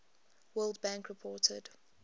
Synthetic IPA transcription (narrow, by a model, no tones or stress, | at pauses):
wɜːlˠdbãŋkɹɪpʰɔːtʰə̰d